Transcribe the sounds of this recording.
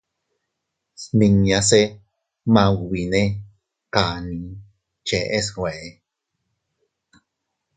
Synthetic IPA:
smiŋjase | mawwine | kani | t͡ʃeʔesweʔe

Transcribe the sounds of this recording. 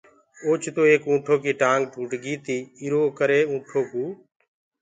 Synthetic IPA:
oːt͡ʃʰt̪oːeːkũːʈʰoːkiːʈãːŋɡɖʱuːʈɡiːt̪iːɪɾoːkəɾeːũːʈʰoːkuː

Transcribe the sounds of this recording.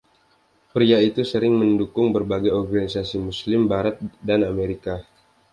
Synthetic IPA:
pɾiait̪usəɾɪŋməndukʊŋbərbaɡajɔrɡanisasimuslɪmbaɾat̪̚danameɾika

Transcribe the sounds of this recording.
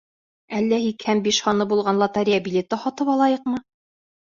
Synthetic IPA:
ælːæhikhæmbiʃhɑnɤbulˠʁɑnlˠɑt̪aɾʲijabʲilʲet̪ɑχɒt̪ɤpɑlˠɑjɤqmɤ

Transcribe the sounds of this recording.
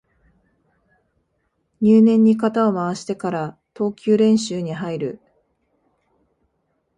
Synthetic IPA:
ɲɨːnẽ̞ɲ̟ːikat̪ao̞maβaɕi̥t̪e̞kaɾat̪o̞ːkʲɨːɾẽ̞ɰ̃ɕɨːɲ̟iɦaiɾɯ̟

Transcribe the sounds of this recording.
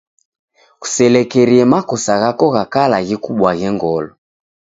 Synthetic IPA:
ɣu̥sɛlɛkɛɾiɛmakɔsaɣakɔɣakalaɣikuɓwaɣɛŋɡɔlɔ

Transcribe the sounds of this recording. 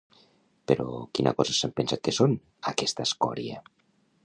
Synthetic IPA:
peɾɔkinʔa̰kɔzasempensat̪̚keson | akɛst̪askɔ̰ɾja̰

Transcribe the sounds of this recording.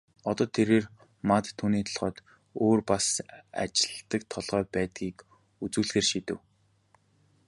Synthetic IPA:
ɔt̪ɔːt̪ʰeɾeːr | mat̪ʰːuːniːt̪ʰḁɮʁœːt̪ | oːrpasa̰t͡ɕɪ̥̆ɮt̪ə̆k̚t̪ʰɔɮʁœːpæːt̪ɡiːk | ut͡sŭːɮxeːrʃit̪ɘ̆w

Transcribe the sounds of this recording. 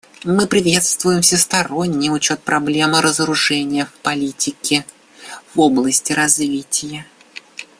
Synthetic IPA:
mɨpɾʲɪvʲe̞t̪st̪vʊjɪmfsʲɪst̪ɐɾo̞nʲːɪjʊt͡ɕo̞t̪̚pɾʔɐblʲe̞mɨɾəzəɾʊʐɛnʲɪjəfpɐlʲitʲɪkʲɪ | voblˠəsʲtʲɪɾɐzvʲitʲɪjə

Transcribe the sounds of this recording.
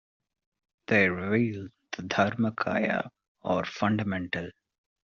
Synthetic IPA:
d̪̥eːɾɪʋiːld̪əd̪ʱʌɾməkʰa̰ːjə̰ | ɔːɾfʌ̃ɳɖəmɛ̃ɳʈəl

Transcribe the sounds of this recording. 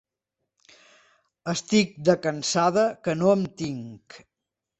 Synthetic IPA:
əst̪ik̚d̪əkənsaðəkənoəmt̪iŋk

